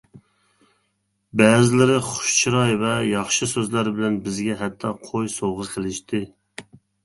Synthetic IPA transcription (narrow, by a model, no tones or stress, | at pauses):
bɛːzɪlɪɾɪχʊ̥ʃt͡ʃʰiɾɑjvɛjɑχʃɨsøzlæɾbɪlɛnbɪzɡʲɛɦɛt̪ʰːɑqʰojsoʁɨzqʰəlˠɪʃt̪ʰɪ